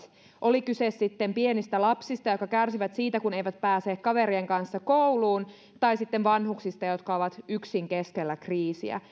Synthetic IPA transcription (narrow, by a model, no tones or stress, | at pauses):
ʔo̞likysesːit̪ːempienist̪ælɑpsist̪ɑjo̞t̪kɑkærsiʋæt̪siːt̪ækune̞jʋæt̪̚pæːseːkkɑʋeɾieŋkɑnsːɑko̞wluːn | t̪ɑjsit̪ːeʋʋɑnhuksist̪ɑjo̞t̪kɑoʋɑt̪yksiŋke̞skelːækriːsḭæ̰